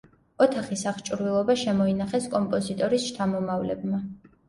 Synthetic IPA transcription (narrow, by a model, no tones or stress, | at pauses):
ɔt̪ʰaχisaχt͡ʃʼɾvilˠɔbaʃɛmɔinaχɛskʼɔmpʼɔzit̪ʼɔɾisʃt̪ʰamɔmavlɛ̰bma